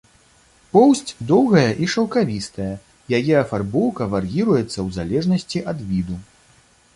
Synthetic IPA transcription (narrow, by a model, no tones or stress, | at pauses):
pɔwsʲt͡sʲd̪ɔwɣɐjɐʔiʂɐwkavʲist̪ɐjɐ | jajɛɐfarbɔwkɐvarɣʲiɾujɛt̪sːɐwzalʲɛʐnɐsʲt͡sʲiʔɐd̪vʲid̪u